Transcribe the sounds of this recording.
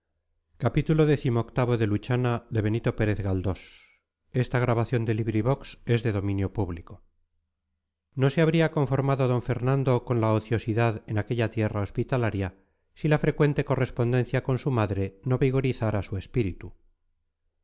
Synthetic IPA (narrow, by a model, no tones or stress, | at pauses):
kapit̪ulo̞ðe̞θimoːkt̪aβ̞o̞ðe̞lut͡ʃanaðe̞β̞e̞nit̪o̞pe̞ɾe̞θɣald̪o̞s | e̞st̪aɣ̞ɾaβaθjo̞nd̪e̞liβɾiβo̞kse̞zðe̞ðo̞mĩnjo̞puβliko̞ | no̞seaβɾiako̞ɱfoɾmaðoðo̞ɱfe̞ɾnand̪o̞ko̞nlaoθjo̞siðaðe̞nake̞ʎat̪je̞rao̞spit̪alaɾja | silafɾe̞kwe̞nt̪e̞ko̞re̞spo̞nd̪e̞n̟θjako̞nsumaðɾe̞no̞βiɣ̞o̞ɾiθaɾasue̞spiɾit̪u